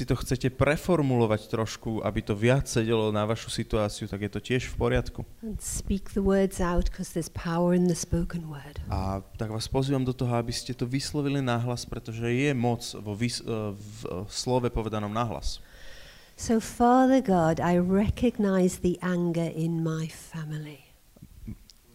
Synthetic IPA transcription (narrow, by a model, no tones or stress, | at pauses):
sit̪ɔxt͡sɛcɛpɾɛfɔɾmulɔʋact̪ɾɔʃkuʔa̰bit̪ɔʋɪat͡ssɛɟɛlɔnaʋaʃu̥sit̪uaːt͡siut̪aɡjɛt̪ɔcɪɛʃfpɔɾɪat̪kuə̃nspikðəwɜːdzaʊtkʰɔz̥ðəz̥pʰaʊəɹɨ̃nðəspoʊkə̃nwɜːd̥ʔat̪aɡʋaːspɔziʋamd̪ɔt̪ɔɦɔabiscɛt̪ɔʋislɔʋilinaɦlaspɾɛt̪ɔʒɛjɛmɔt͡sʋɔʋis | slɔʋɛpɔʋɛd̪anɔmnaɦla̰s | soʊfɑːðəɡɑdaɪɹɛkʰɨɡ̚naɪzðiʔãŋɡəɹʔɪ̃nmaɪfamɪlˠi